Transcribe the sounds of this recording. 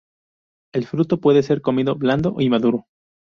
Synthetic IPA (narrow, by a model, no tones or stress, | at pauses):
elfɾut̪o̞pwe̞ðe̞se̞ɾko̞miðo̞bland̪o̞̰ʔimaðuɾo